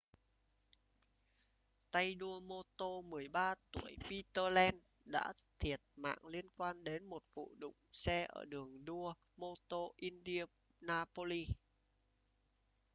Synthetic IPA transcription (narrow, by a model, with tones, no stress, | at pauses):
t̪a˧jɗu˧əmo˧t̪o˧mɨ˨˩əjɓaː˧t̪u˧˩əjpi˧t̪əː˧lɛ˧n | ɗa̰ː˧˥t̪ʰi˨˩ət̚ma̰ː˧˨ŋli˧ənkwaː˧nɗe˨˦nmo˨˩t̚vṵ˧˨ɗʊ̰˧˨ŋ͡msɛ˧ʔə̰ː˧˩ɗɨ˨˩əŋɗu˧ə | mo˧t̪o˧ʔi˧nɗi˧ə | naː˧po˧li˧